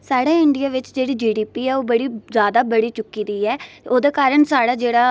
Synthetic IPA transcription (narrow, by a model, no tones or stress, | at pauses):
saːɽeːɪɳɖijaːʋɪt͡ʃd͡ʒeːɽiːd͡ʒiːɖiːpiːɛːoːbəɽiːzjaːd̪aːbəɽiːt͡ʃʊkːiːd̪iːɛːoːd̪eːkaːɾəɳsaːɽaːd͡ʒeːɽaː